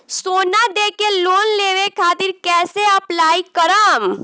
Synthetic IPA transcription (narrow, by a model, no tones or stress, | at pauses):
soːnad̪eːkeloːnleːʋekʰaːt̪ɪɾkɛːseɐplaːikəɾaːm